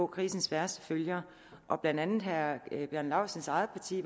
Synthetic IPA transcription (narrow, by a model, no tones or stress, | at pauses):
ɔ̽kʰʁiːsn̩sʋæɐsd̥ə̥føljɐ | ʔɒ̽b̥lænd̥ænð̩ˠɦæb̥jœɐnlɑ̈ʊsənsɑ̈ɪð̩ˠpʰɑ̈t͡sʰḭːʋ